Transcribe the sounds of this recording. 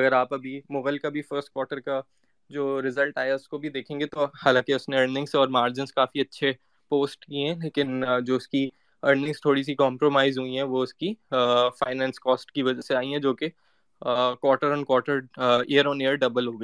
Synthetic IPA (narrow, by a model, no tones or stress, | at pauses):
ɐɡəɾaːpɐbʱimʊɣəlkabʱifəɾsʈ̚kwɔːʈəɾka | d͡ʒoːɾɪzəlʈaːjaʊskobʱid̪eːkʰẽːŋɡet̪ohaːlãːkiʊsneɐɾnɪ̃ŋsɔːɾmaːɾd͡ʒɪ̃nskaːfiɐtːʃʰe | poːsʈkiɦɛ̃leːkɪnd͡ʒoːʊski | ɐɾnɪ̃ŋst̪ʰoːɽis̬ikɔ̃ːmpɾomaːɪzɦuiɦɛ̃ʋoʊskifaːɪnɛ̃ːnskɔːsʈkiʋɐd͡ʒɛseaːiɦɛ̃d͡ʒoːke | kwɔːʈəɾɔ̃ːnkwɔːʈəɾeːəɾɔːnejəɾɖɐbəlɦoːɡɐ